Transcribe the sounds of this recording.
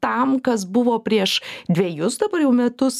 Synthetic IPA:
t̪ɐmkɐs̬bʊʋoːpʲɾʲiɛʃd̪ʲʋʲeːjʊsd̪ɐbɐrjɛʊmʲɛt̪ʊs

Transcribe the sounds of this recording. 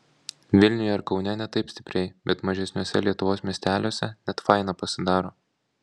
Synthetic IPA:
ʋʲɪlʲnʲʊjɛɪɾkɒʊnʲɛnʲɛt̪ɐɪpsʲt̪ʲɪpʲɾʲɛɪbʲɛt̪mɐʒʲɛsʲnʲuːsʲɛ̰lʲiɛt̪ʊʋoːsmʲiɛsʲt̪ʲæːlʲoːsʲɛnʲɛt̪fɑˑɪnɑpɐsʲɪd̪ɑːɾoː

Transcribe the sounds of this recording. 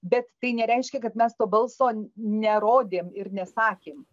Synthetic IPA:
bʲɛt̪ːɐɪnʲɛɾʲɛɪʃʲkʲɛkɐt̪mʲɛst̪oːbɐlˠsoːnʲɛɾoːd̪ʲeːmɪɾnʲɛsɑːkʲeːm

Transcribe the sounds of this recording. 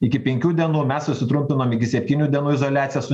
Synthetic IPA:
ɪkʲɪpʲɛŋʲkʲuːd̪ʲiɛnuːmʲɛssʊsʲɪt̪ɾʊmʲpʲɪnoːmɪkʲɪsʲɛpʲt̪ʲiːnʲuːd̪ʲiɛnuːɪzoːlʲæːt̪sʲɪjɛs

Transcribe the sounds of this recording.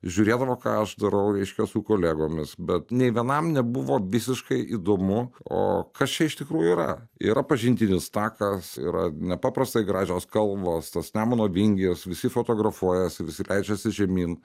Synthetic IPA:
ʒʲuːɾʲeːd̪ɐʋoːkɑ̰ːɐʃd̪ɐɾɐʊɾʲɛɪʃʲkʲɛsʊkoːlʲæːɡoːmʲɪsbʲɛt̪nʲɛɪʋʲiɛnɐmnʲɛbuʋoːʋʲɪsʲɪʃkɐɪʔiːd̪oːmʊo̰ːkɐst͡ʃʲɛɪʃt̪ʲɪkɾuːjuiɾɐ̰ḭːɾʔɐpɐʒʲɪnʲt̪ʲɪnʲɪst̪ɑːkɐsḭːɾɐ̰nʲɛpɑːpɾɐst̪ɐɪɡɾɑːʒʲoːskɐlˠbɐst̪ɐsnʲæːmonoːʋʲɪŋʲɡʲɪsʋʲɪsʲɪfoːt̪oːɡɾɐfuɔjɛsʲɪʋʲɪsʲɪlʲɛɪd͡ʒʲɛsʲɪʒʲɛmʲiːn

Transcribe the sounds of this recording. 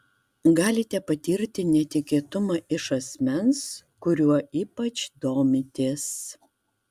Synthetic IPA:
ɡɑːlʲɪt̪ʲɛpɐt̪ʲiːɾʲt̪ʲɪnʲɛt̪ʲɪkʲiːt̪ʊmɑʔɪʃɐsʲmʲɛnskʊɾʲuɔiːpɐt͡ʃd̪oːmʲɪt̪ʲeːs

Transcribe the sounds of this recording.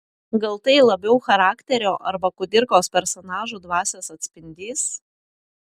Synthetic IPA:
ɡɐlˠt̪ɐɪlˠɐbʲɛʊxɐɾɑːkt̪ʲɛɾʲoːʔɐɾbɐkʊd̪ʲɪɾkoːspʲɛɾsɔnɑːʒuːd̪ʋɑːsʲeːsɐt̪ʲsʲpʲɪnʲd̪ʲiːs

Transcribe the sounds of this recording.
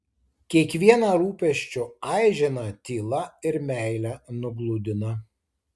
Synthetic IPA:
kʲiɛkʋʲiɛnɐɾuːpʲɛʃʲt͡ʃʲʊɑˑɪʒʲɪnɐt̪ʲiːlˠɐɪɾmʲæˑɪlʲænʊɡlˠʊd̪ʲɪnɐ

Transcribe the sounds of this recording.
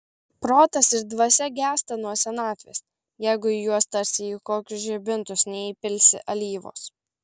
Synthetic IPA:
pɾoːt̪ɐsɪɾd̪ʋɐsʲɛɡʲæːst̪ɐnuɔsʲɛnɑːt̪ʲʋʲḛːs | jɛɪɡʊijuɔst̪ɐɾʲsʲɪiːkoːkʲʊsʒʲɛbʲɪnt̪ʊsnʲɛipʲɪlʲsʲɪ̰ʔɐlʲiːʋo̰ːs

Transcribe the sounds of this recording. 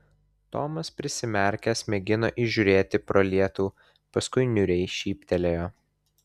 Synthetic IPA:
t̪oːmɐspʲɾʲɪsʲɪmʲɛˑɾʲkʲɛsmʲɛɡʲɪnoːʔiʒʲuɾʲeːt̪ʲɪpɾoːlʲiɛt̪uː | pɐskʊɪnʲʊɾʲɛɪʃʲiːpʲt̪ʲɛlʲejoː

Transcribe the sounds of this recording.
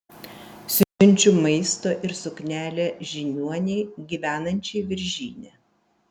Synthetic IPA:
sʲʊnʲˑt͡ʃʲʊmɐɪst̪oːʔɪɾsʊknʲæːlʲeʒʲɪnʲuɔnʲɛɪɡʲiːʋʲæːnɐnʲt͡ʃʲɛɪʋʲɪɾʲʒʲiːnʲe

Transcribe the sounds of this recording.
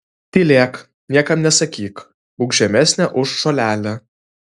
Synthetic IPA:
t̪ʲiːlʲeːk | nʲiɛkɐmnʲɛsɐkʲiːk | ʊːɡʒʲɛmʲæsʲnʲɛʔʊʃːoːlʲæːlʲɛ

